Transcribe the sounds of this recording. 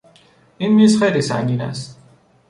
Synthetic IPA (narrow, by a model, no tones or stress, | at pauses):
imːisχeɾisa̰ŋɡina̰s